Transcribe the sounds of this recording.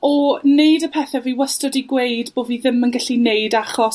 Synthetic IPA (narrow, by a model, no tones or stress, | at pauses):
ɔneɨdəpʰɛːθɛviwəstɔdiɡweɨdb̥oːdviːðɪmənɡaɬinejdaχɔ